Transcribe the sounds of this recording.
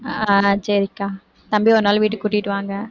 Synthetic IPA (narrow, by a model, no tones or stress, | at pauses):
at͡ʃɐɾɪkːaː | t̪ɐmbiɔɾɯnaːlʋiːʈːɯkːuʈːɪʈːɯʋaːŋɡɐ